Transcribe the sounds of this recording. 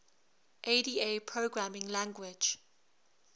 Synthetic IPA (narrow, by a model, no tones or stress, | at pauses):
ʔediːepʰɹoɡɹamɪ̃ŋlãŋɡwɪd͡ʒ